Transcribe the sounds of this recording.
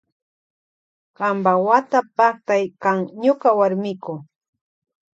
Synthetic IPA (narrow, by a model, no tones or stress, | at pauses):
ɢambawat̪apɑχt̪ajkaŋɲʊkawaɾmɪkʊ